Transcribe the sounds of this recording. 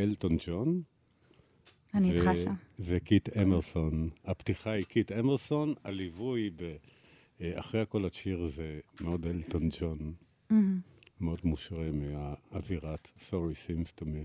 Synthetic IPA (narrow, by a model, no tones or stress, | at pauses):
eltond͡ʒon | anieavekit̪emeʁso̞naptiχaikʰitemeʁso̞nalivujbe | a̰χʁejako̞laʃiʁzemeodelt̪ond͡ʒon | meo̞dmuʃʁemiaːviʁat̪soʁisimst̪omi